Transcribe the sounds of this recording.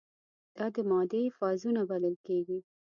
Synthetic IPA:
d̪̥ɑd̪əmɑd̪efɑzunabaləlkeɡi

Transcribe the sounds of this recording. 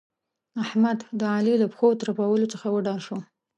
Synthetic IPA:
ahmad̪d̪əɑliləpxot̪ɾapawəlot͡səxawəɖɑlʃo

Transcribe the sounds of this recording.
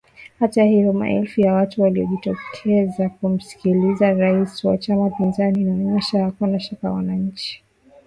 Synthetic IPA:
hatahivɔma̰ʔɛlfujawatuwaliɔ̰ʄitɔkʰɛzakum̩si̥kilizaɾaisiwa̰t͡ʃamapinzaninamɛɲɛʃaakanaʃaka̰wanaɲ̩t͡ʃi̥

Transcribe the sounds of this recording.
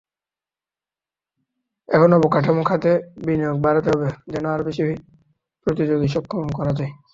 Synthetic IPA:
ɛkʰonɔbokaʈʰamokʰat̪ebinijoɡ̚baɾat̪eɦɔbed͡ʑɛnoaɾobeʃibʱi | pɾot̪id͡ʑoɡiʃɔkʰːomkɔɾad͡ʑaj

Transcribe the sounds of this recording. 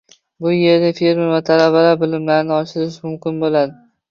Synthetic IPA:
bʊje̞ɾnɪfeɾmevat̪ʰalabalaɾbɪlɪmlaɾɪnɪɒʃɪɾɪʃmʊmkʲɪnbolad̪ɪ

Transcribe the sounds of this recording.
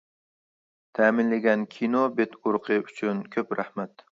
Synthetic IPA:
t̪ʰaːmɪnlaɡʲankʲʰinobet̪ʰʊɾqʰɨʊt͡ʃʰʊnkʲʰɵpɾahmat̪

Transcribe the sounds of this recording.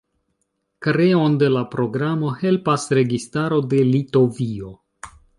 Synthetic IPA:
kɾe̞o̞nde̞lapɾo̞ɡɾamo̞he̞lpasɾe̞ɡistaɾo̞de̞lito̞vio̞

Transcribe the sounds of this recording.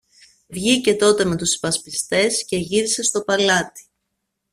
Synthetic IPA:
vʝice̞t̪o̞t̪e̞me̞t̪uspɐspist̪e̞sce̞ʝiɾise̞st̪o̞pɐlɐt̪i̥

